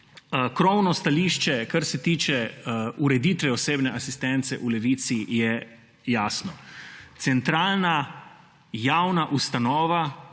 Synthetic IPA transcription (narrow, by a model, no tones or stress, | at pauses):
kɾɔwnɔst̪aliːʃt͡ʃɛkaɾsɛt̪iːt͡ʃɛuɾɛd̪it̪ʋɛɔseːbnɛʔasist̪ɛnt̪sɛʔulɛʋiːt̪sijɛ | jaːsnɔt̪sɛnt̪ɾaːlna | jawnaʔust̪anɔːʋa